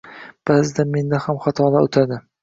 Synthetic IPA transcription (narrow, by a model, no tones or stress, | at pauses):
b̥azɪd̪ame̞nd̪ahamχɑt̪ʰɒlˠaot̪ʰad̪ɪ